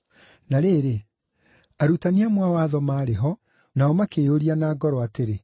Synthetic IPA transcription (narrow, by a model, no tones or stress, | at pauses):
naɾeːɾe | aɾutaniamwawaːðɔmaːɾeɦɔ | naɔmakeːoɾianaːɡɔɾɔateɾe